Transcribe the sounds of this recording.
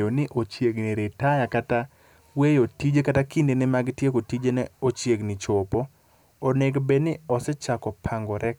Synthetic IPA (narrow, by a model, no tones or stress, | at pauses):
onɪʔot͡ʃjeɡniɾetajakata | wejotid͡ʒekatakindenɛmaɡtjekotid͡ʒenɛot͡ʃjeɡnɪt͡ʃopoː | neɡbenɪɔsɛt͡ʃakɔpʰaŋɡɔɾʔɛk